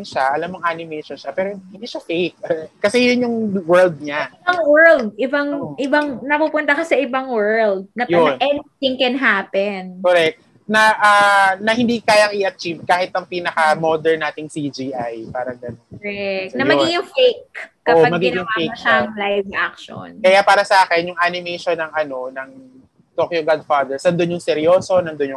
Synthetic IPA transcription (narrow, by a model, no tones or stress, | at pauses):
nʃaʔɐlamːoŋʔanɪmɛʃonʃapɛːɾohɪnd̪iːʃafejk̚ːɐsɛjʊnjʊŋwɛɹld̪̚ɲaɪbɐŋwɛɹld̪̚ʔɪbɐŋʔɪbɐŋnɐpupʊnt̪ɐkɐsɐʔɪbɐŋwɛɹld̪̚nɐjonʔɛnit̪ɪŋkɛnɦaːpɛnkoɾɛk̚t̪̚ | nɐʔaːnɐhɪnd̪ikaːjɐŋɪʔɐt͡ʃiv̚kaːhɪt̪̚ːɐŋpiːnɐkɐmod̪ɛɹnaːt̪ɪŋsid͡ʒiʔajpaːɾɐŋɡɐnonɛk̪̚nɐjmɐiŋjʊŋfejkː | oːʔomɐɡijʊŋafejkɐaɐlajvak̚ʃo̰nkɐjapaːɾɐsɐʔaːkɛnjʊŋʔanɪmɛjʃonːɐŋʔɐno̞nɐŋ | t̪okjoɡad̪̚fad̪ɛɹsɐnd̪onjʊŋsɛɾjoːso̞nɐnd̪onjʊŋ